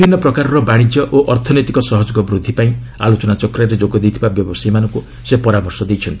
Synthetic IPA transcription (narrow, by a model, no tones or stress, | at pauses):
inːɔpɾɔkaɾɔɾɔbaɽ̃id͡ʒjɔʔoʔɔɾt̪ʰɔnɔjt̪ikɔsɔɦɔd͡ʒɔɡɔbɾud̪ʱːipaĩ | a̰lot͡ʃɔnat͡ʃɔkɾaɾed͡ʒoɡɔd̪ejt̪ʰibabjɔbɔsimanɔŋku | sepɔɾamɔɾsɔd̪ejt͡ʃʰɔnt̪i̥